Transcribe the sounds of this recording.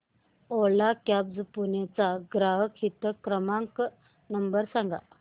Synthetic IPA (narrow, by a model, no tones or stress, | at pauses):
oɭakabd͡zpunet͡saɡɾaɦəkʰit̪əkɾəmaŋk | nəmbəɾsaŋɡa̰